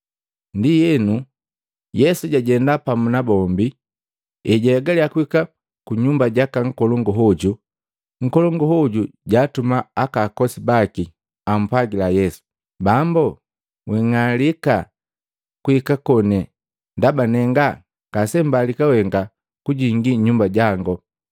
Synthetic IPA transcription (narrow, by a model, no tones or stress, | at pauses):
ndijɛnu | jɛsuɟaɟɛndapamunabɔmbi | ɛɟɛːɡaliakuika | kuɲumbaɟakaŋ̩kɔlɔŋɡɔɦɔɟu | ŋ̩kɔlɔŋɡɔhɔɟuɟaːtumaakaːkɔsibaki | am̩pwaɡilajɛsu̥ | bambɔ | wɛŋalika | kuikakɔnɛ | ndabanɛŋɡa | kasɛmbalikawɛŋɡa | kuɟiŋɡiɲumbaɟaŋɡɔ